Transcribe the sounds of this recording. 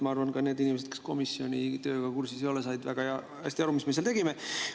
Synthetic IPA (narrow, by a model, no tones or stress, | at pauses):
mɑɑrvɑnkɑne̞ːd̪inimesed̪̥̚ke̥sko̞misːjo̞nʲit̪ø̞ːɡ̥ɑkursisejo̞lesɑjd̪væ̰ɡ̥ɑɑ | hæ̰st̪iɑɾumisme̞selt̪e̞ɡime